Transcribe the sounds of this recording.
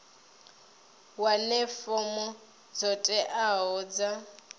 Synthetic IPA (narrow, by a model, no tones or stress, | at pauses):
walɪfɔmʊ | d͡zɔtʼɛʔaɦɔːd͡za